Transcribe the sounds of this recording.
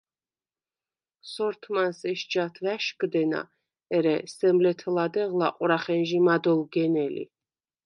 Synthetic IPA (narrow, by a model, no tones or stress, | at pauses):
sɔɾt̪ʰmansɛʃd͡ʒat̪ʰvæʃkd̪ɛna̰ | ɛɾɛsɛmlɛt̪ʰɛlad̪ɛʁlˠaqʼwɾaχɛnʒimad̪ɔlˠɡɛnɛlḭ